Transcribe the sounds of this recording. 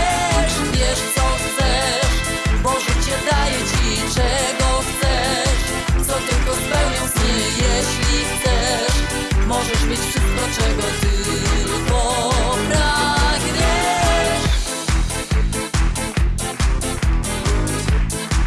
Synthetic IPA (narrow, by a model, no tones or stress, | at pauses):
ʂvʲjɛʂt̪sɔxt̪sɛ | ʂ | mɔʐɛt͡ɕɛd̪ajɛt͡ɕit͡ʂɛɡɔxt̪sɛʂ | t̪sɔt̪ɘlkɔspɛwɲɛsɲɛjɛɕlʲixt̪sɛʂ | mɔʐɛʂmɘt͡ɕfʂɨst̪̚kɔt͡ʂɛɡɔt̪ɪ | pɔpɾaɡɲɛʂ